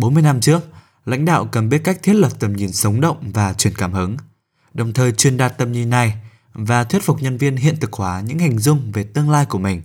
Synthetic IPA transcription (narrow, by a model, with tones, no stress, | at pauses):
ɓo˨˦nmɨ˧əjna˧mt͡ɕɨ˦˥ək̚ | la̰˧˥jŋ̟ɗa̰ː˧˨wkə˨˩mɓi˦˥ət̚ka˦˥jk̚t̪ʰi˦˥ət̚lə˨˩p̚t̪ə˨˩mɲi˨˩nsə˨˦wŋ͡mɗə̰˧˨wŋ͡mvaː˨˩t͡ɕwi˧˩ənkaː˧˩mhɨ˨˦ŋ | ɗə˨˩wŋ͡mt̪ʰəː˨˩jt͡ɕwi˨˩ənɗaː˨˩t̚t̪ə˨˩mɲi˨˩nːa˨˩j | vaː˨˩t̪ʰwi˦˥t̚fʊ˨˩k͡p̚ɲə˧nvi˧ənɦḭ˧˨ənt̪ɨ˨˩k̚hwaː˨˦ɲɨ̰˧˥ŋha˨˩jŋ̟zʊ˧ŋ͡mve˨˩t̪ɨ˧əŋlaː˧jku˧˩əmï˨˩ŋ̟